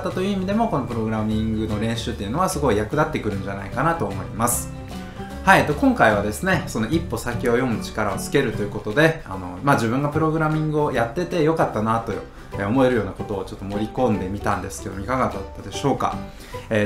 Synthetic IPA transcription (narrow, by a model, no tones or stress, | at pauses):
t̪ːat̪o̞jɯ̟imʲid̪e̞mo̞ko̞no̞pɯ̟ɾo̞ɡɯ̟ɾamʲĩŋɡɯ̟no̞ɾẽ̞ɰ̃ɕɨːt̪ːe̞jɯ̟no̞βasɨɡo̞ijakɯ̟d̪at̪ːe̞kɯ̟ɾɯ̟nɲd͡ʑana̰ikanat̪o̞ːmo̞imasɨ̥ | haiet̪ːo̞kõ̞ŋkaiβ̞ad̪e̞sɨne̞so̞no̞ʔipːo̞sakʲio̞jo̞mɯ̟t͡ɕi̥kaɾao̞t͡sɨ̥ke̞ɾɯ̟t̪o̞jɯ̟ko̞t̪o̞d̪e̞a̰no̞̰maːʑibɯ̟̃ŋɡapɯ̟ɾo̞ɡɯ̟ɾamʲĩŋɡɯ̟o̞jat̪ːe̞t̪e̞jo̞kat̪ːanat̪o̞j | eo̞mo̞e̞ɾɯ̟jo̞ːnako̞t̪o̞ːt͡ɕo̞t̪ːomo̞ɾʲikõ̞nd̪e̞mʲit̪ã̰nd̪e̞sɨ̥ke̞d̪o̞moikaɡad̪at̪ːad̪e̞ɕo̞ːka̰ | eː